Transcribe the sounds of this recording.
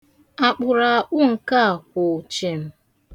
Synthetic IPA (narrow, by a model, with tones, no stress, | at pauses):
a˨k͡pʊ˨ɾa˨a˨ʔʊ˦ŋ̩˨ka˦a˨kʊ˨t͡ʃe˨m̩˦